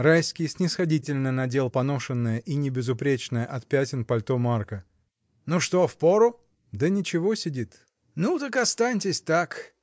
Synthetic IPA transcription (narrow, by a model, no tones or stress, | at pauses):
rajskʲɪjsʲnʲɪsxɐdʲitʲɪlʲnənɐdʲe̞lˠpɐno̞ʂɨnːəjəʔinʲɪbʲɪzʊpɾʲet͡ɕnəjəʔɐt̪̚pʲætʲɪnpɐlʲt̪omarkə | nuʂt̪ofpoɾʊ | d̪ənʲɪt͡ɕɪvosʲɪdʲit̪ | nut̪əkɐst̪anʲtʲɪsʲt̪ak